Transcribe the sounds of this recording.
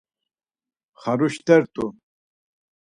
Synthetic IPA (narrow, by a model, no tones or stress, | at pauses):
χaɾuʃt̪ɛɾt̪ʼu